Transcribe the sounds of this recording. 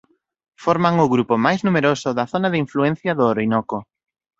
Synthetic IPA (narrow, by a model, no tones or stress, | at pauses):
fɔɾmaŋʊɣɾupʊmajznumeɾosʊðɐθonaðɪiɱfluɛn̟θjɐðʊoɾoinɔko